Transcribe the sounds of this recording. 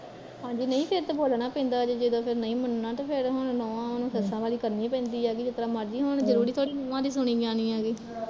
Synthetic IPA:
ɦãːd͡ʒiːnəĩːpʰɪɾt̪aboːlnaːpɛ̃ːnd̪aːd͡ʒed͡ʒɪd̪õːpʰɪɾnəĩːmənnãːt̪aːpʰɪɾɦoɳnɔːãːnũːsəsãːʋaːliːkəɾnĩːpɛ̃ːnd̪iːaːɡiːd͡ʒɪt̪ːəɾãːməɾd͡ʒiːɦoɳd͡ʒəɾuːɾiːt̪ʰoaːɽiːnoʋãːd̪iːs̬ʊɳ̃iːbɪãːniːaːɡiː

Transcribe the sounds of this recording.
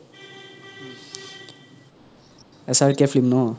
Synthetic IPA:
esaɾkefʰlimno

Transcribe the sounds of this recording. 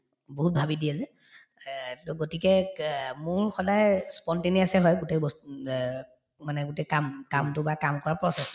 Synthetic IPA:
boɦut̚bʱabidiɛzɛ | tʊɡotikɛmʊɹxɔdajspɔnteniasɛɦɔjɡutejbɔs | manɛɡutekamkamtʊbakamkɔɹapɹɔsɛs

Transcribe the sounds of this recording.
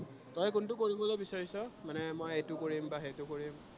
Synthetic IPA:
tɔjkʊntʊkoɹibɔlojbisaɹisɔmanɛmɔjejtʊkoɹimbaxejtʊkoɹim

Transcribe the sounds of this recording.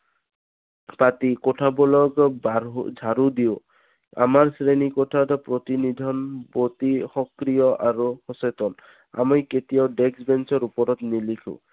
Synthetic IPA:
pat̪ikɔʈʰabɔlɔɡbad͡ʒʱaɾud̪iʊ | a̰maɹsɾenikɔtʰat̪ɔpɾɔt̪inid̪ʱɔnbot̪ixɔkɾijɔʔaɾuxɔset̪ɔn | a̰mɔjket̪iɔɖeksbensɔɾupɔɾɔt̪nilikʰṵ

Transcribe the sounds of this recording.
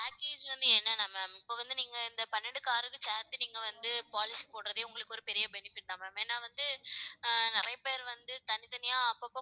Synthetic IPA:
paːkeːd͡ʒʋɐnd̪ɯɛnːɐnaːmaːmɪpːoːʋɐnd̪ɯniːŋɡɐɪnd̪ɐpɐnːɛɳɖɯkaːɾɯkːɯt͡ʃaːt̪ːɯniːŋɡɐʋɐnd̪ɯpaːlɪsipoːɽɯɾɐðɪjʊŋɡɐɭɯkːɯɔɾɯpɛɾɪjɐbɛnɪfɪʈːaːmaːmeːnːaːʋɐnd̪ɯ | nɪɾɐjɐpeːɾʋɐnd̪ɯt̪ɐnɪt̪ɐnɪjaːɐpːopːoː

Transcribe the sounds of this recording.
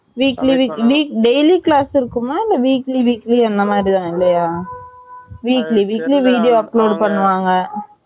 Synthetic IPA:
ʋiːkliʋiːkʋiːkɖejliklaːsɪɾɯkːɯmaːɪlːɐʋiːkliʋiːkliɛnd̪ɐmaːd̪ɾit̪ãːɪlːɐjaː | ʋiːkliʋiːkliʋiːɽijoːɐpːloːɖpɐɳːɯʋaːŋɡɐ

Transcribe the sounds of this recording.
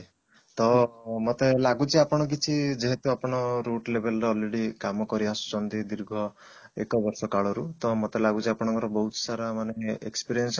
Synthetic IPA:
t̪ɔmot̪elaɡut͡ʃʰiapɔɽ̃ɔk̬it͡ʃʰid͡ʒeɦet̪uapɔɽ̃ɔɾuʈlebʱelɔɾeɔlːeɽikamɔkɔɾiasu̥t͡ʃɔnd̪id̪iɾɡʱɔ | ḛkɔbɔɾsɔkaɭɔɾut̪ɔmot̪elaɡut͡ʃʰiapɔɽ̃ɔ̃ŋkɔɾɔbɔɦut̪ɔ̥saɾamaneḛkspiɾiens

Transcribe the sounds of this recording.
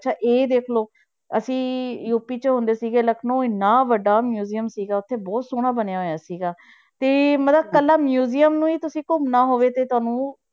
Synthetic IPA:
ʃʰaːʔeːd̪eːkʰloː | əsĩːjuːpiːt͡ʃəɦʊ̃nd̪eːsiːɡeːləkʰnõːɪnːaːʋəɖaːmjuːzijəmsiːɡaːʊt̪ʰːeːbɔːt̪soːɽ̃aːbənejaːɦoːjaːsiːɡaː | t̪eːmət̪ləb̚kəlːaːmjuːzijəmnũːiːt̪ʊsĩːkʊmnaːɦoːʋeːt̪eːt̪ʊaːnũː

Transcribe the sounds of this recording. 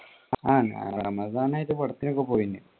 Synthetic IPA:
aːna̰ɽɐmɐzaːnajiðɨpɐɽɐt̪ːinokːepoːjinːɨ

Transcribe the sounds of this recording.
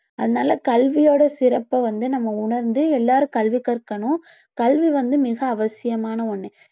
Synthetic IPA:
ɐðɐnaːlɐkɐlʋɪjoːɽɐsɪɾɐpːɐʋɐnd̪ɯnɐmːɐʊɳɐɾnd̪ɯɛlːaːɾɯkɐlʋikːɐɾkːɐɳʊ̃ | kɐlʋiʋɐnd̪ɯmɪɣɐːʋɐsɪjɐmaːnɐɔɳːɛ

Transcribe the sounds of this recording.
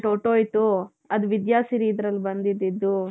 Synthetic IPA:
ʈoʈoːjt̪u | ɐd̪uʋid̪jaːsiɾiːd̪ɾɐlːbɐnd̪id̪ːid̪ːu

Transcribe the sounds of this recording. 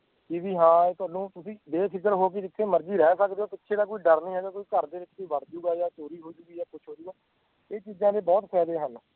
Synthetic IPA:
kiːʋiːɦãːeːt̪ʊaːnũːt̪ʊsĩːd̪eːpʰɪkəɾɦoːk̬ɪd͡ʒɪt̪ʰːeːməɾd͡ʒiːɾɛːsəkd̪eːoːpɪtːʃʰeːd̪aːk̬oːiːɖəɾniːɦɛːɡaːkoːiːkəɾd̪eːʋɪt͡ʃkoːʋəɽd͡ʒuːɡaːjaːt͡ʃoːɾiːɦoːid͡ʒʊːɡiːjaːkʊt͡ʃʰɦoːd͡ʒuːɡaː | eːt͡ʃiːzãːd̪eːbɔːt̪pɛːd̪eːɦən

